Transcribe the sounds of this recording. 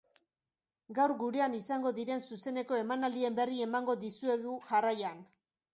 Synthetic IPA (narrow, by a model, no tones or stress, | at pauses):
ɡawɾɡuɾe̞anisaŋɡo̞ðiɾe̞nsuse̞ne̞ko̞e̞manald̪ie̞mbe̞rie̞maŋɡo̞ðisue̞ɣuʝarajan